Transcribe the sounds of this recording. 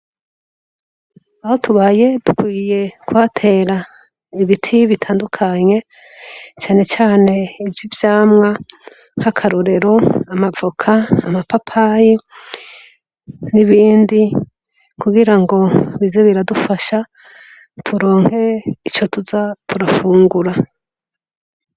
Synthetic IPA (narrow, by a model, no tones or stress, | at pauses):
aho̞tuβaje̞d̥ukwiːjekuatʰe̞ːɾa | iβitʰiβitʰaːndukʰaɲe̞ | t͡ʃaːne̞t͡ʃaːne̞ivjivjaːmŋa | hakʰaɾoɾe̞ɾo̞amavokʰaːmapapʰaji | niβiːndi | kuɡiɾaŋɡo̞βize̞βiɾadufaʃa | tʰuɾo̞ːŋ̥he̞it͡ʃo̞tuzatʰuɾafuːŋɡuɾa